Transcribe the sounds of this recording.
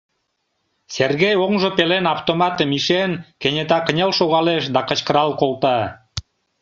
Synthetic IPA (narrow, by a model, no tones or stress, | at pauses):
serɣejoŋʒopelenɑft̪omɑt̪ə̆miʃenkenʲet̪ɑkənʲelʃoɣɑleʃd̪ɑkə̆t͡ɕkəɾɑlkolˠt̪ɑ